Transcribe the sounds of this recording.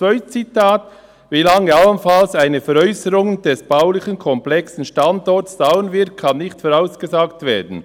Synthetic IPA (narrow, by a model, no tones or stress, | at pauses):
t͡svœʏt̚t͡sitʰaːt | vilɑŋːəɑlənfɑlsaɪnəfɛʁœʏsəɾʊŋnd̥ɛsb̥aʊlɪçənkʰɔmplɛksn̩ʃtɑndɔtsd̥aʊənvɪt̚kʰɑnːɪçtfɔʁaʊsɡ̥əzaːktveːɐdn̩